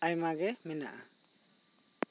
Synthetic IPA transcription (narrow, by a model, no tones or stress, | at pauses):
ajmaɡɛmɛna̰ʔa